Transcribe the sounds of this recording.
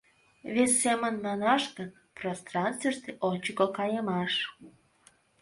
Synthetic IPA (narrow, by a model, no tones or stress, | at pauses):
vʲesʲːemə̆nmɑnɑʃkə̆n | prost̪rɑnst̪ʲeʃt̪eʔonʲt͡ɕəkokɑjəmɑʃ